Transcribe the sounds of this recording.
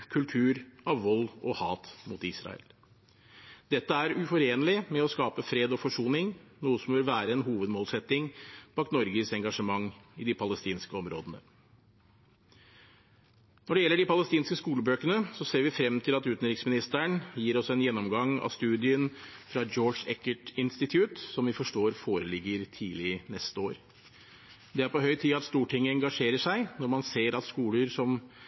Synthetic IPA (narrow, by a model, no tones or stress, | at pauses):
kʰʉlt̪ʰʉːɾɑʋʋɔlɔhɑːt̪mut̪ɪsɾɑ̰ə̰l | d̪̥ɛt̪ːəæɾʉfɔɾeːnəlɪmɛɔskɑːpəfɾeːd̪ɔfɔʂuːnɪŋnuːəsɔmʋɪlʋæːɾəɛnɦuːʋəd̪moːlsɛt̪ːɪŋb̥ɑːkt̪nɔɾɡəsɛŋɡɑʂəmɑŋːɪd̪ɪpʰɑləst̪iːnskəɔmɾo̰ːd̪ənə̰ | nɔɖɛjɛlːəɖɪpɑləst̪iːnskəskuːləbøːkənəsɔseːɾʋɪfɾɛmt̪ʰɪlɑt̪ʉːt̪n̩ɾɪksmɪnɪst̪əɳjiːɾɔsɛnjɛnːɔmɡɑŋɑ̰ʋst̪ʉːd̪ɪənfɾɑd͡ʒɔːʂɛkəʈɪnst̪ɪt̪ʰjʉːt̪sɔmʋɪfɔʂʈoːɾfoːɾəlɪɡːəɾt̪ʰiːlɪnɛst̪əoːɾ | d̪ɛæɾpɔɦœʏt̪ʰiːɑt̪st̪uːʈʰɪŋːəɛŋɡɑʂeːɾəʂæɪnɔɾmɑnseːɾɑt̪skuːləɾsɔm